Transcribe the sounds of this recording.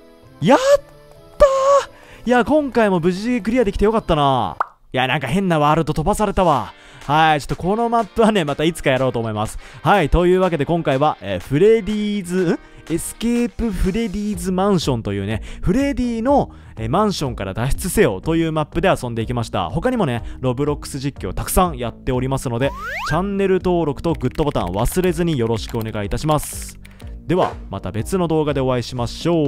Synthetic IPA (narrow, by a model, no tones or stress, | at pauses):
jat̪ː | a | jakõ̞ŋkaimo̞bɯ̟ʑiɡek̬ɯ̟ɾʲiad̪e̞kʲit̪ejo̞kat̪ːana̰ | janãŋkaɦẽ̞nːaβaːɾɯt̪ːo̞t̪o̞basaɾe̞t̪aβa̰ | hait͡ɕo̞̥t̪ːo̞̥ko̞no̞mapːɯ̟βane̞mat̪ait͡sɨ̥kajaɾo̞ːt̪o̞ːmo̞imasɨ̥hait̪o̞jɯ̟ːβak̬e̞d̪e̞kõ̞ŋkaiβaʔeːɸɯ̟ɾe̞d̪ʲiːzɨɯ̃ | e̞sɨ̥ke̞ːpɯ̟ɸɯ̟ɾe̞d̪ʲiːzɨmãɰ̃ɕõ̞nt̪o̞jɯ̟ːneɸɯ̟ɾe̞d̪ʲiːno̞ | emãɰ̃ɕõ̞ŋkaɾa̰d̪aɕi̥t͡sɨse̞o̞̰t̪o̞jɯ̟ːmapːɯ̟d̪e̞asõ̞nd̪e̞ikʲimaɕi̥t̪a̰ho̞kaɲ̟imo̞ne̞ɾo̞bɯ̟ɾo̞kːɯ̟̥sɨʑikʲːio̰t̪akɯ̟̥sãɰ̃jat̪ːe̞o̞ɾʲimasɨno̞d̪e̞t͡ɕãnːe̞ɾɯ̟t̪o̞ːɾo̞kɯ̟t̪o̞ɡɯ̟t̪ːo̞bo̞t̪ã̰ɰ̃βasɨɾe̞zɨɲ̟ijo̞ɾo̞ɕi̥kɯo̞ne̞ɡaiːt̪aɕimasɨ̥ | d̪e̞βa̰ma̰t̪abe̞t͡sɨno̞d̪o̞ːɡad̪e̞o̞βaiɕimaɕo̞ː